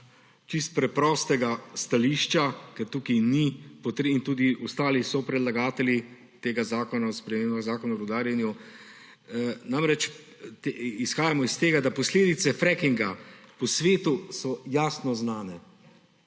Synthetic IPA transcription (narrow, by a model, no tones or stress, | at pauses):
t͡ʃist̪̚pɾɛpɾɔst̪ɛɡast̪aliʃt͡ʃakɛɾt̪uːkinipɔt̪ɾint̪uːd̪iɔst̪aːlisɔpɾɛd̪laɡaːt̪ɛli | t̪eːɡazaːkɔnaɔspɾɛmeːmbaɣzaːkɔnaɔɾɔd̪aːɾjanju | namɾɛt͡ʃ | t̪isxaːjamɔist̪eːɡad̪apɔsleːd̪it̪sɛfɾɛkiŋɡapɔsʋeːt̪usɔjaːsnɔznaːnɛ